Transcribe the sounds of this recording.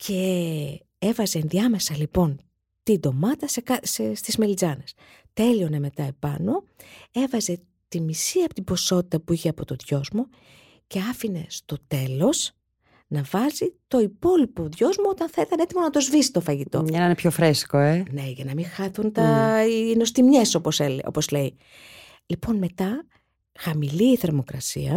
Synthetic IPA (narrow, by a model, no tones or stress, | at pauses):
cʰe̞ | evɐze̞ːnðiɐme̞sɐlipo̞n | t̪ind̪o̞mɐt̪ɐsekɐsest̪izmelid͡zɐne̞s | t̪e̞lio̞neme̞t̪ɐe̞pɐ̰no̞e̞vɐze̞ | t̪imisiɐpot̪iboso̞t̪it̪ɐpuiçeɐpo̞t̪o̞ðʝo̞zmo̞ | ce̞ɐfine̞st̪o̞t̪e̞lo̞s | nɐvɐzit̪o̞ipo̞lipo̞ðʝo̞zmoot̪ɐnθɐit̪ɐne̞t̪imonɐt̪ozvisi̥t̪o̞fɐʝit̪o̞̰ɐninepçofɾesi̥koene̞ʝɐnɐmiŋxɐθunt̪ɐino̞st̪imɲeso̞po̞selo̞̰po̞zle̞i | lipo̞nme̞t̪ɐ | xɐmiliːθe̞ɾmo̞kɾɐsḭɐ